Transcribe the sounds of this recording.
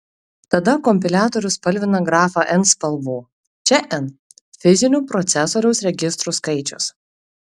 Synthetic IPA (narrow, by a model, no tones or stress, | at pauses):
t̪ɐd̪ɐkɔmʲpʲɪlʲæːt̪ɔɾʲʊspɐlʲʋʲɪnɐɡɾɑːfɑʔɛnspɐlˠbuː | t͡ʃʲɛʔɛn | fʲɪzʲɪnʲuːpɾɔt̪sʲɛsɔːɾʲɛʊsɾʲɛɡʲɪst̪ɾuːskɐɪt͡ʃʲʊ̰s